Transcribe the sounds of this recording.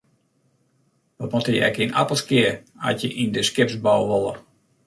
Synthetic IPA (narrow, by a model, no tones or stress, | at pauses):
ʋɔt̚motəjəɛ̰kina̰pəlˠskɪə | a̰tjəʔindəskɪpsbɔwʋɔlˠə̰r